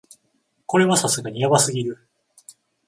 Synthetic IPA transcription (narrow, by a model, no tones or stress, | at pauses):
ko̞ɾe̞βasasɨɡaɲijabasɨɡʲiɾɯ̟